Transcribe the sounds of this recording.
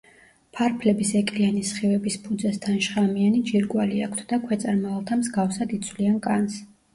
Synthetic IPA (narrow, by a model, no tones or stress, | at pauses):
pʰaɾpʰlɛbisɛkʼlianisχivɛbispʰud̪zɛst̪ʰanʃχamianid͡ʒiɾɡʼwaliakʰt̪ʰd̪̥akʰwɛt̪sʼaɾmaalˠt̪ʰamzɡafsad̪it̪sʰwliankʼans